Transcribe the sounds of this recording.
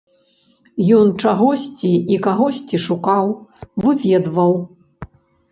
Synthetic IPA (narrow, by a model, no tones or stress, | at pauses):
jɔnt͡ʂaɣɔsʲt͡sʲiikaɣɔsʲt͡sʲiʂukawvɨvʲɛd̪vɐw